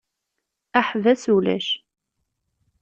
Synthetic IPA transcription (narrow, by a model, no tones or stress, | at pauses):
æħvæsulæ̰ʃ